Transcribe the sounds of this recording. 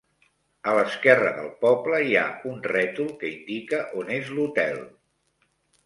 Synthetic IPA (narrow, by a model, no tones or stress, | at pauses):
ələskɛrəðə̰lˠpɔbləja̰unrɛt̪ulˠkəind̪ikəʔonezlut̪ɛlˠ